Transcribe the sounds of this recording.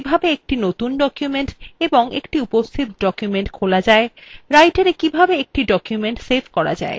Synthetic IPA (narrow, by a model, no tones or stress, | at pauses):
ibʱabeek̚ʈinot̪unɖɔkjumeɳʈeboŋḛkʈiupost̪ʰit̪ɖɔkjumeɳʈkʰolad͡ʑaeɾajʈaɾekibʱabeek̚ʈiɖɔkjumeɳʈsebʰkɔɾa̰d͡ʑa̰e